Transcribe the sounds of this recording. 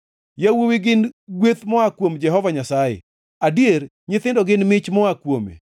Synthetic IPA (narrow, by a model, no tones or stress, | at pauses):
jawowiɡɪnɡwet̪mɔakwomd͡ʒɛɦɔvaɲasajɛ̰ | adijeɾ | ɲɪt̪ɪndɔɡɪnmɪt͡ʃmɔakwomḛ